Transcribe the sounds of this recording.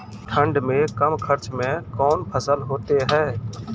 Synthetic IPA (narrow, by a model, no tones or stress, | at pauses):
ʈʰə̃ɳɖmẽkəmkʰəɾt͡ʃmẽkɔːnpʰəsəlɦoːt̪eɦɛː